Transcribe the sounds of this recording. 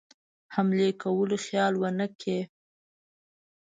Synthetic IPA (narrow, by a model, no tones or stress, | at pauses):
hamlekawəloxjɑlwənəkʰe